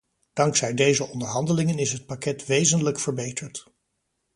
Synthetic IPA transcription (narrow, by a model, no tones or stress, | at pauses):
d̥ɑŋksɛjdejzəʔɔndəɹɦɑndəlɪŋənɪsɦət̚pakɛtʋejzənləkfəɹbejtəɹt